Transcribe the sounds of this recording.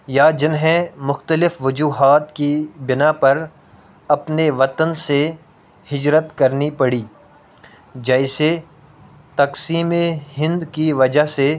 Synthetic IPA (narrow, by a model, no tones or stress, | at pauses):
jad͡ʒɪnɦẽmʊxt̪əlɪfʋʊd͡ʒuːɦaːt̪kibɪnapɐɾ | ɐpneʋɐt̪ənse | hɪd͡ʒɾət̪kɐɾnipɐɽiː | d͡ʒɛɪse | t̪ɐqsiːmeɦɪ̃nd̪kiʋɐd͡ʒaɦse